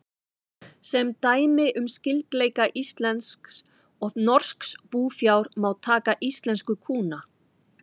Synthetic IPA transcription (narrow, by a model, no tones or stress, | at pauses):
sɛmt̪aːjmɪʔʏmscɪlt̪leːjkaʔist̪lɛnsks | ɔðnɔr̥skspuːfjawɾmawt̪ʰaːkaʔist̪lɛnskʏkʰuːna